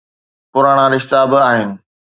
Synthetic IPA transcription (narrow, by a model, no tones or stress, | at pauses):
pʊɾaːɽ̃ãɾɪʃt̪abɪaːɦɪnɪ̆